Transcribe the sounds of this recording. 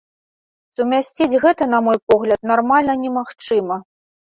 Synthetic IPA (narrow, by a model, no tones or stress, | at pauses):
sumʲasʲt͡sʲid͡zʲɣɛt̪ɐnɐmɔjpɔɣlʲɐt̪̚narmalʲnɐnʲɛmaxt͡ʂɨmɐ